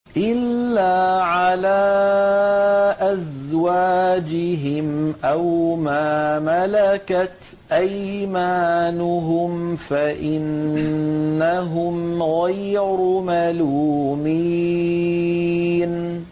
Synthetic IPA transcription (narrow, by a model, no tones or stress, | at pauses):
ʔɪlːaːʕalaː | ʔazwaːd͡ʒɪɦɪmʔawmaːmalakat̪ | ʔajmaːnʊɦʊmfaʔɪnː | aɦʊmɣajɾʊmaluːmi | n